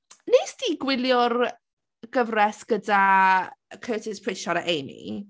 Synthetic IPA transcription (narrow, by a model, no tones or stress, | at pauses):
neːsd̥iɡwɪljʊr | ɡ̥əvrɛsɡ̥əda | kʰəːtʰɪspʰrɪʃɔɾəʔejmḭ